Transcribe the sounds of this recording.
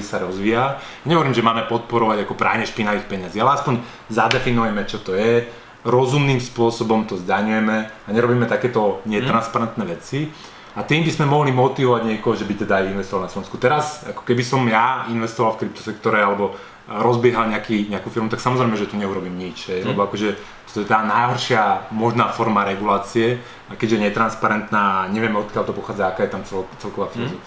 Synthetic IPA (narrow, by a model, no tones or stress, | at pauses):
isaɾɔzʋiːajaɲɛɦɔʋɔɾiːmʒɛmaːmɛpɔt̪̚pɔɾɔʋaɟakɔpɾʔa̰ːʊɲɛʃpinaʋiːxpɛɲaziːalɛaspɔɲ | zad̪ɛfinujɛmɛt͡ʃɔt̪ɔjɛ | ɾɔzumniːmspʊɔsɔbɔmt̪ɔzd̪aɲujɛmɛaɲɛɾɔbiːmɛt̪akɛːt̪ɔɲɪɛt̪ɾanspaɾɛnt̪nɛʋɛt͡si | at̪iːmbizmɛmɔɦlimɔt̪iʋɔʋaɟɲɪɛkɔɦɔʒɛbit̪ɛd̪aajinʋɛst̪ɔʋalnaslɔʋɛnskut̪ɛɾazakɔ̥kɛbisɔmjainʋɛst̪ɔʋalfkɾip̚t̪ɔ̥sɛk̚t̪ɔɾɛalɛbɔ | ɾɔzbɪɛɦalɲɛakiːɲɛakuːfiɾmut̪aksamɔzɾɛɪmɛʒɛt̪uɲɛuɾɔbiːmɲit͡ʃɦɛjlɛbɔakɔʒɛ | t̪ɔt̪ɔɛt̪aːnajɦɔɾʃɪamɔʒnaːfɔɾmaɾɛɡulaːt͡siɛ | akɛd͡ʑʒɛɲɛt̪ɾanspaɾɛnt̪naːaɲɛʋɪɛmɛɔt̪̚kɪalt̪ɔpɔxaːd͡zaakaːjɛt̪amt͡sɛlt͡sɛlkɔʋaːfilɔzɔf